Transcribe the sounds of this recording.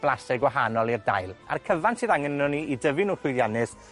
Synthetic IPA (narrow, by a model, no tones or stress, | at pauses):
b̥lˠasɪɡwaɦanɔlˠirda̰jlˠa̰rkʰəvansɨːðaŋənɔniidəvɨnuhʊðjanɨs